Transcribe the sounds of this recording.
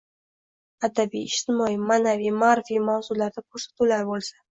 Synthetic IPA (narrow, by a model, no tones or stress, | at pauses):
ad̪abijɪʃt̪ɪmɒimaːnavijmaɾfijmawzulaɾd̪akʰoɾsḁt̪ulaɾbolˠsa